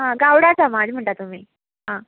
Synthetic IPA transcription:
ɦãɡawɽat͡samad͡zm̤əɳʈ̪at̪um̤iː | ɦã

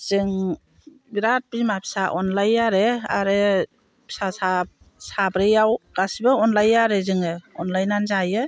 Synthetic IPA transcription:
z̥ɯŋ | biɾat̚bimapʰi̥saʔɔnlajaɾea̰ɾɯ | pʰi̥sasab̚ | sabɾɯjawɡ̥asibɯɔnlajaɾezɯŋɯɔnlajnanzajɯ

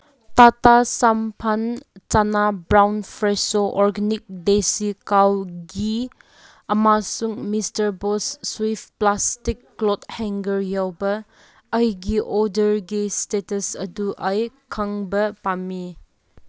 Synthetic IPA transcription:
tatasampʰant͡ʃanabɾawnpʰɾesoʔɔɾɡenik̚desikawɡi | ɐmasuŋmistɐɾbosːwipplastikːlɔthɛŋɡəɾjawbɐː | jɡiʔɔdəɾɡistetɐsɐ̰duʔajkʰaŋbɐpami

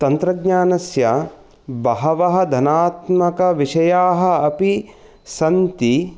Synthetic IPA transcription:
t̪ɐnt̪ɾɐɡɲaːnɐsjɐ | bɐɦɐʋɐɦɐ̆d̪ʱɐnaːt̪mɐkɐʋiʂɐjaːɦɐ̆ɐpi | sɐnt̪i

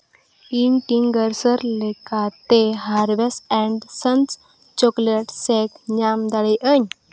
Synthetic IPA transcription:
inʈiŋɡəɾsəɾlekat̪eɦaɾʋesɛ̃ɳɖsənt͡s | t͡ɕokleʈsekɲamd̪aɭeʔəɲ

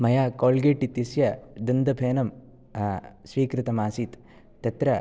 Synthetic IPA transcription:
mɐjaːkoːlɡeːʈit̪ɐsjɐd̪ɐnd̪ɐbʰʱeːnɐm | sʋiːkɾɪt̪ɐmaːsiːt̪ː | ɐt̪ɾɐ

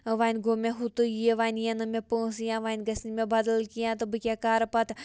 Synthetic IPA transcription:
ʋaːnʲɡoːmeɦut̪ɨjeʋaːnjenɨmepəːsɨjãːʋaːnʲɡɐsnimebɐd̪ɐlkijãːt̪ɨbɨkʲakaːɾpɐt̪

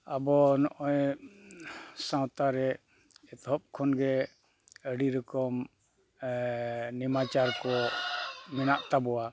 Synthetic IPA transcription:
abɔnɔʔɔj | sãwt̪aɾɛ | ɛt̪ɦɔp̚kʰɔnɡɛ | əɖiɾɔkɔm | nimat͡ʃaɾkɔ | mɛnaʔt̪abɔwa

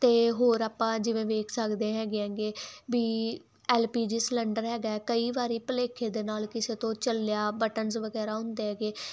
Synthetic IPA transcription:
t̪eːɦoːɾaːpãːd͡ʒɪʋẽːʋeːkʰsəkd̪eːɦɛːɡeãːŋɡeːʋiː | ɛːlpiːd͡ʒiːslɛːɳɖəɾɦɛːɡaːɛːkəiːʋaːɾiːpəleːkʰeːd̪eːnaːlkɪseːt̪õːt͡ʃəljaːbəʈənzʋəɡɛːɾaːʊ̃nd̪eːɦɛːɡeː

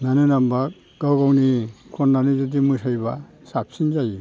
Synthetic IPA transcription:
nanɯnamba | ɡ̥awɡawnikʰɔnːanizudimɯsajba | sap̚sinzaji

